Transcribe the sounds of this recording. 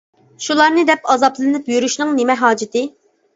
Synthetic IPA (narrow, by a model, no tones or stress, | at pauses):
ʃulˠɑɾnɨd̪ɛpɑzɑplˠɨnɨpjyɾyʃnɨŋnɪmɛɦɑːd͡ʒɪt̪ʰɪ